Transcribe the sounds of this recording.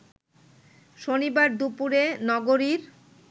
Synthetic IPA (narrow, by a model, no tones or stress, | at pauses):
ʃonibaɾd̪upuɾenɔɡoɾiɾ